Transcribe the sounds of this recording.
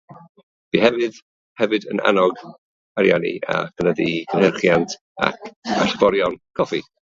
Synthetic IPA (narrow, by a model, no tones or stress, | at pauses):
b̥iɦɛvɨð | hɛvɨdəna̰nɔɡ | aɾjanḭa̰kʰənəðikʰənhərχjantʰ | a̰kʰasbɔɾjɔnkʰɔfi